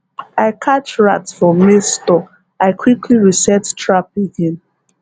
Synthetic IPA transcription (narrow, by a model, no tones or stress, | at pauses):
aɪkʰat͡ʃɹatsfɔ̃mːestɔk | aɪkʰwikʰliɹisɛttɹap̚eɡẽn